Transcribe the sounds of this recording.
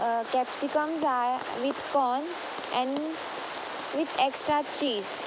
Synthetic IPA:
kɛpsikəmza | ʋid̪kɔːn | ɛ̃ɳ | ʋid̪eksʈɾat͡ʃiːz

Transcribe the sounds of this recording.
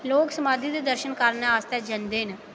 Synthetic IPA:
loːksəmaːd̪ʱid̪eːd̪əɾʃənkaɾnaaːst̪eːd͡ʒənd̪eːn

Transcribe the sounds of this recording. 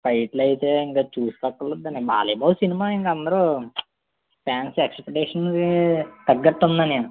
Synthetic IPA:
pɐjʈlɐjit̪e̞ːiŋkaːt͡ʃuːsu̥t̪ɐkːɐlɐd̪ːɐniba̰ːlɐjbaːlsinimaːiŋkaɐnd̪ɐɾu | pʰaːnsekspeʈɛːʂɐnkit̪ɐɡːɐʈːund̪ɐni

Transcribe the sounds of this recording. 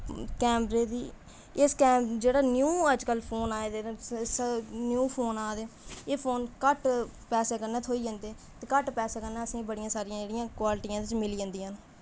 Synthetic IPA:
kɛːmɾeːd̪iː | ɪskɛːmd͡ʒeːɽaːnjuːəd͡ʒkəlpʰoːnaːed̪eːsnjuːpʰoːnaːd̪eeːpʰoːnkəʈ | pɛːseːkəɾneːt̪ʰoːiːd͡ʒə̃nd̪eː | t̪eːkəʈpɛːseːkəɾnɛːəsĩːbəɽɪjãːsaːɾijãːd͡ʒeːɽɪjãːkwaːlʈijãːd̪ɪt͡ʃmɪliːə̃nd̪ijãːn

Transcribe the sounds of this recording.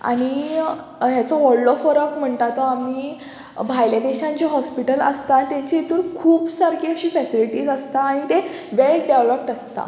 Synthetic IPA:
a̰ɽ̃i | ɦjat͡sɔʋɔɭɖɔfəɾəkm̤əɳʈ̪at̪oamiː | bʱajljad̪eɕãɲt͡ɕeɦɔspiʈələst̪at̪ːjãɲt͡ɕeit̪uːɾkʰuːbsaɾkʰeəɕiːfɛsiliʈiːd͡zəst̪aːɽ̃it̪e | ʋelʈɖeʋləp̚ʈəst̪a̰

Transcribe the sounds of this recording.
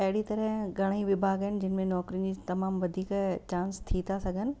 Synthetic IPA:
ɐɦɪɽit̪ɐɾəɦɡʱɐɽ̃iʋɪbʱaːɡəɦɪnɪ̆d͡ʑɪnɪ̆mẽnɔːkɾijʊ̃nd͡ʑiːt̪ɐmaːmʋɐd̪ʱiːkt͡ɕãːnst̪ʰit̪ʰasɐɡʱənɪ̆

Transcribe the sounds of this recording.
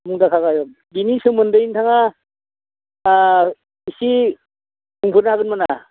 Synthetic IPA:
muŋdakʰaɡajɔk̚ | ɡinisɯmɯndɯjintʰaŋa | isi | muŋpʰɯɾnaɡɯnmana

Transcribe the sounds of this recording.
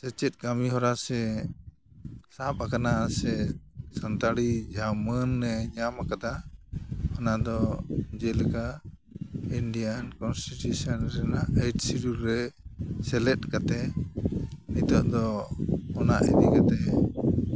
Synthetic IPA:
sɛt͡ʃɛt̪̚ˀkamiɦɔɾasɛ | sapakanasɛsant̪aɽid͡ʒamənːɛɲamakad̪a | ɔnad̪ɔd͡ʒɛlɛka | iɳɖijankɔnsʈiʈusɔnɾɛnaʔejʈsiɾuɾɛsɛlɛt̪̚kat̪ɛ | nit̪ɔʔd̪ɔ | ɔna̰ʔɛd̪ikat̪ɛ

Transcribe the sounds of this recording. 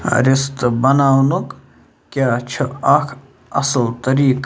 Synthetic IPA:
ɾɪst̪bɐnaːwnuk | kʲjaːt͡ʃʰəɐkʰ | ɐ̰səlt̪ɐɾiːk

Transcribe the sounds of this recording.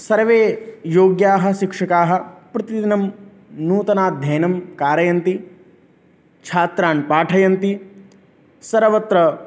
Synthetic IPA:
sɐɾʋeːjoːɡjaːɦɐ̆ʃikʂɐkaːɦɐ̆pɾɐt̪id̪inɐm | nuːt̪ɐnaːd̪ʱjɐːnɐmkaːɾɐjɐnt̪i | t͡ʃʰaːt̪ɾaːnpaːʈʰɐjɐnt̪i | sɐɾʋɐt̪ɾɐ

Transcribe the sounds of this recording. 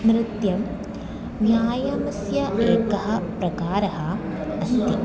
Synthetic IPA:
mɾɪt̪jɐm | njaːjɐmɐsjɐeːkɐɦɐ̆pɾɐkaːɾɐɦɐ | ɐst̪i

